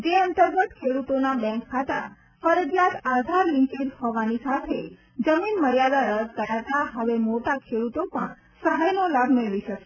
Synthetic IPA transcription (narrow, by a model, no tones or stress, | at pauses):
d͡ʒeənt̪əɾɡət̪kʰeɽut̪onabɛ̃ŋkʰːat̪a̰ | fəɾəd͡ʒjat̪ad̪ʱaɾlɪ̃ŋkedhoʋanisat̪ʰe | d͡ʒəminməɾjad̪aɾəst̪əɾat̪aɦəʋemoʈakʰeɽut̪opəɳ | səɦajnolabʱmeɭʋiʃəkʃe